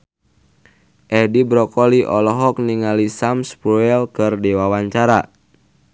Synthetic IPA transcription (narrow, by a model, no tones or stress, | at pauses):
ʔɛdibɾɔkɔliʔɔlɔɦɔk̚niŋalisamspɾuɛlkɨrdewawaɲt͡ʃaɾa